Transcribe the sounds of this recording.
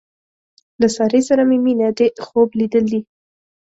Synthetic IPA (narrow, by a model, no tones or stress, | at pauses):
lasɑɾesaɾameminad̪exoblid̪əld̪i